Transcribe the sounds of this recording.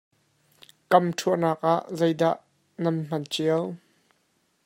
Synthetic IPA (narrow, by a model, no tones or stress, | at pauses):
kɐmtʰuəʔnaːk̚ʔaʔzejdaʔ | nɐnm̥ɐnt͡ʃiəw